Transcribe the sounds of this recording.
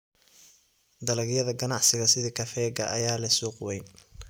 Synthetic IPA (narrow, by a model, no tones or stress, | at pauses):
d̪ɐlɐɡjɐðɐɡɐnɑʕsɪɣɐsɪðikʰɐfɛːɡɐ̰ʔɐjaːlɐsuːqʊwɛjn